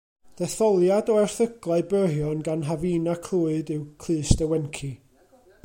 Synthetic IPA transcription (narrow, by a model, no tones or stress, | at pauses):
d̥ɛθɔlˠjadɔɛrθəɡlˠaɨbəɦjɔnɡanɦavinakʰl̥ˠuːɨdɨwkʰl̥ˠɨːsdɛwɛnkʰi